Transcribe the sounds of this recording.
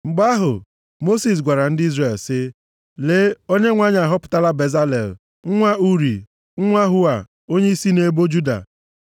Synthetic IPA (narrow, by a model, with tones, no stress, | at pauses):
ŋ͡m̩˨ɡ͡ba˦ɦʊ̰˨ | mo˦si˨s̬ɡʷa˨ɾa˨n̩˦dɪ˦i˦zre˨lsɪ˦ | le˦o˦ɲe˦ŋʷa˦ɲ˦a˨ɦɔ˦pʊ̥˨ta˦la˦be˨za˦lḛ˨l | ŋ̩˦ŋʷa˦u˦ɾḭ˨ | ŋ̩˦ŋʷa˦ɦʊ˦a˨ | o˦ɲe˦i˦si˦ne˦bo˦d͡ʒu˦da̰˨